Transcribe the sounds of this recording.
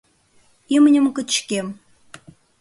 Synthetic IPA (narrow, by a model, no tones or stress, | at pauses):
imənʲə̆mkə̆t͡ɕkem